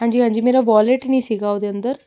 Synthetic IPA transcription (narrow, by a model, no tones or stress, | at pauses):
ɦãɲd͡ʑiːɦãɲd͡ʑiːmiɾaʋɔleʈniːsiɡaʋd̪eənt̪əɾ